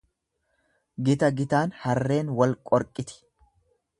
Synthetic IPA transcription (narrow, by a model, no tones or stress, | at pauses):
ɡɪt̪ɐɡɪt̪aːnhɐrːe̞ːnwɐlkʼɔɾkʼːɪt̪ɪ̥